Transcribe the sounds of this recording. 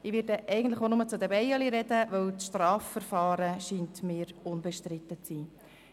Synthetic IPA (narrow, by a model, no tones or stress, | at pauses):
ɪʋɪːɾdəʔɛɪɡən̩tləχonʊmət͡sʊd̪əbɛjɑliɾɛd̥əʋœwt͡sʃtrɑːfːəɾfɑːɾəʃiːntmiːɾʊnbɛʃtɾɪt̪ːət͡siː